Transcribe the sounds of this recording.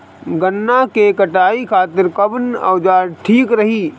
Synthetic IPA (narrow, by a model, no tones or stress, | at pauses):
ɡənːakekɐʈaːikʰaːt̪ɪɾkɐbnɐ̰ʋd͡ʒaːɾʈʰiːkɾɐɦiː